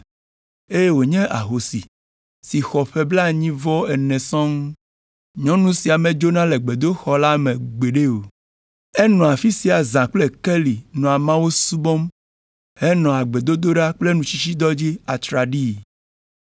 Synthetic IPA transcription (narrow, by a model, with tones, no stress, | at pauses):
e˦je˦wo˨ɲɛ̃˦ʔa̰˨ɦo˨si˨ | si˨xɔ˨ɸɛ˦bla˦ɲĩ˦vɔ˦ɛ˨nɛ̃˨sɔ̃˦ŋ˦ | ɲɔ̃˦nũ˦si˨a˨mẽ˨d͡ʒo˦nã˦le˨ɡ͡be˨d̪o˦xɔ˨la˦mẽ˨ɡ͡be˨ɖe˦o˨ | ɛ˦nɔ̃˨a˨fi˦si˨a˨zã˨k͡ple˦ke˦li˨nɔ̃˨a˨mã˦wo˦su˦bɔ˦m | he˦nɔ̃˨a˨ɡ͡be˨d̪o˦d̪o˦ɖa˦k͡ple˦nũ˨t͡ɕi˦t͡ɕi˦d̪ɔ˦d͡ʑi˦a˨t̪ɾa˨ɖi˦˨